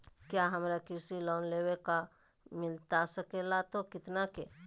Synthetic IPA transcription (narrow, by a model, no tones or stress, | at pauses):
kjaːɦɐmɾakɪɾsilɔːnleːweka | mɪlt̪asɐkelat̪okɪt̪nake